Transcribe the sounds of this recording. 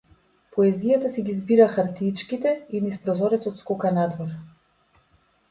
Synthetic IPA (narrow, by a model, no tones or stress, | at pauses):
pɔɛzijat̪asɛɡʲizbiɾaxaɾt̪it͡ʃkit̪ɛinispɾɔzɔɾɛt̪sɔt̪skɔkanad̪vɔɾ